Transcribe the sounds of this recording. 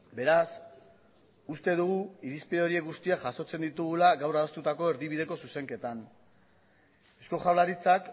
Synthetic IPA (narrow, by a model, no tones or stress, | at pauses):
be̞ɾas | ust̪e̞ðuɣuiɾispeðeo̞ɾie̞kɡust̪iaʝaso̞t͡se̞nd̪it̪uɣ̞ulaɣawraðost̪ut̪ako̞eɾðiβið̞e̞ko̞suse̞ŋke̞t̪an | ewsko̞ʝawlaɾit͡sak